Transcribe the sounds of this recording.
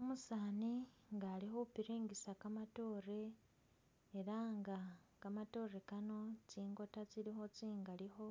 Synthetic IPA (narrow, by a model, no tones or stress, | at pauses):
omusaːniŋɡaːliɦo̞piɾeːŋɡisakamato̞ːre̞ | ɾaːŋɡa | kamato̞ːre̞kano̞t͡ʃiːŋɡo̞tat͡siɾixo̞t͡siːŋɡaliho̞